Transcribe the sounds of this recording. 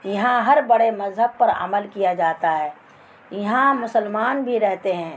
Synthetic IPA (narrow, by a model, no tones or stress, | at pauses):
jɐɦãɦɐɾbɐɽemɐzɦəb̚pɐɾə̰məlkijad͡ʒaːt̪aɦɛː | jɐɦãmʊsəlmaːnbʱiɾɛɦt̪eɦɛ̃ː